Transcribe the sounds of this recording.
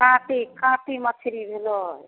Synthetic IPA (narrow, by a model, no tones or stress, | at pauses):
kãʈikãʈimət͡ʃʰiɾibʱelɔɦj